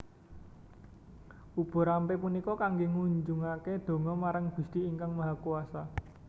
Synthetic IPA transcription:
ub̥ɔ̤ɾampepunikɔkaŋɡeŋuɲd͡ʒuŋaked̪̥o̤ŋɔmaɾaŋb̥ṳst̪iiŋkaŋmaɦakuasa

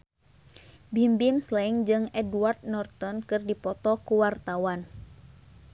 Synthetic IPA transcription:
bimbimslɛŋd͡ʒɨŋɛduard̪̚nɔrt̪ɔnkɨrdipɔt̪ɔkuwart̪awan

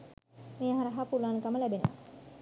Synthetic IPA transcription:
meːɦaɾəɦapulankaməlæbenəʋa̰

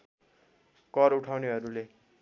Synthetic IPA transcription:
kʌɾuʈʰawneɦʌɾule

